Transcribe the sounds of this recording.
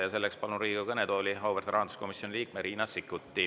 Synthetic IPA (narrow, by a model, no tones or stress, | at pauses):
jɑse̞lːekspɑlunɾiːɡukɤnet̪o̞ːlʲiɦɑwvert̪ɾɑhɑnd̪u̥sko̞misjo̞nʲiliːk̚meɾiːnɑsikːˑut̪ːˑi